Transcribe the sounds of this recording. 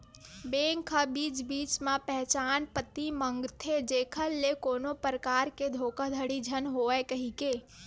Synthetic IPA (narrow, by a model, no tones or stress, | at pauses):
beːŋkʰəbiːt͡ʃbiːt͡ʃmãpɛɦt͡ʃaːnpət̪imə̃ŋɡt̪ʰed͡ʒeːkʰəlːekoːnopəɾəkaːɾked̪ʱoːkəd̪ʱəɽid͡ʒʱənɦoːɛkəɦikeː